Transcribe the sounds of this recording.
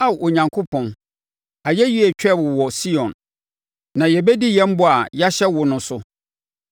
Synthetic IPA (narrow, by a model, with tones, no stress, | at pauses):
a˦wo˨ɲã˨ŋkʰʊ˦pʰɔ̃˨n | a˨jɛ˦ɥi˦ɛ˨t͡ɕᶣɛ˦˨bʊ˨wɔ˨si˦ɔ̃˨nː | ã˨jɛ˨bɛ˦di˦jɛ̃˦m̩˦bʊ˦a˨ja˦ɕɛ˦wʊ˨nʊ̃˦sʊ˦